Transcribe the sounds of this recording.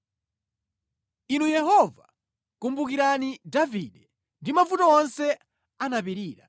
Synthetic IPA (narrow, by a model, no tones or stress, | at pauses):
inujɛɦɔva̰ | kumbukiɾanidaviɗɛ | ndimafutɔɔnsɛ | anapiɾiːɾa